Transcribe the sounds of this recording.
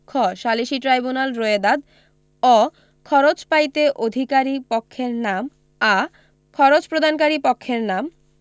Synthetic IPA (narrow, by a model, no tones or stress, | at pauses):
kʰɔʃaliʃiʈɾajbunalɾoed̪ad̪ | ɔ | kʰɔɾot͡ɕpajt̪eʔod̪ʱikaɾipokʰːeɾnam | a | kʰɔɾot͡ɕpɾod̪ʱankaɾipɔkʰːeɾnam